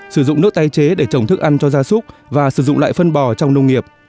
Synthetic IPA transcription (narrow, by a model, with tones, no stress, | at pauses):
sɨ˧˩zʊ̰˧˨ŋ͡mnɨ˦˥ək̚t̪a˧jt͡ɕe˨˦ɗe˧˩t͡ɕə˧˩wŋ͡mt̪ʰɨ˦˥k̚ʔa˧nt͡ɕɔ˧zaː˧sʊ˦˥k͡p̚vaː˨˩sɨ˧˩zʊ̰˧˨ŋ͡mla̰ː˧˨jfə˧nɓɔ˨˩t͡ɕɔ˧wŋ͡mnə˧wŋ͡mŋi˨˩əp̚